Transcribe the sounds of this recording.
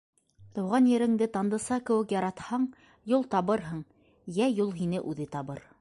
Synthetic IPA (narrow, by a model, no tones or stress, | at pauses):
t̪ɤ̆wʁɑnjɘ̆ɾɘ̆ŋd̪ɘt̪ɑnd̪ɤ̆sɑkɘ̆wɘ̆kjɑɾɑt̪hɑɴ | julˠt̪ɑβɤɾɦɤɴ | jæjulˠɦinɘʔʉðɘt̪ɑβɤɾ